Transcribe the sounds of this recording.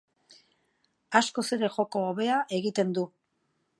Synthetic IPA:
asko̞se̞ɾe̞ʝo̞ko̞ːβe̞aʔe̞ɣit̪e̞nd̪u

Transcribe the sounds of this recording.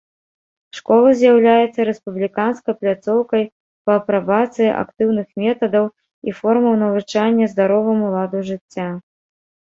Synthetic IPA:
ʂkɔlˠɐzʲjawlʲajɛt̪sːɐɾɛspublʲikanskɐjplʲat̪sɔwkɐj | pɐːpɾabat̪sɨjiʔa̰kt̪ɨwnɨxmʲɛt̪ɐd̪ɐw | ifɔrmɐwnɐvɨt͡ʂanʲːɐzd̪aɾɔvɐmulˠad̪uʐɨt͡sʲːa

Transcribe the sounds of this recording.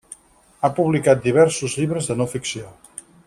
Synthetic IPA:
apuβlikat̪̚d̪iβ̞ɛɾsuzʎiβɾəzðənofiksio

